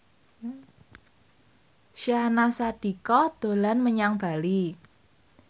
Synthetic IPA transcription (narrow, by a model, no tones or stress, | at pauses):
ʃianasad̪̥i̤kɔd̪̥o̤lanməɲaŋb̥a̤li